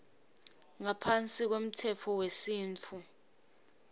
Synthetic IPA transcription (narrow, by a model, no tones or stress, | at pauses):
ŋapʰant͡sʼik̬wom̩tʰɛt͡fʰɔwesiːnt͡fʰu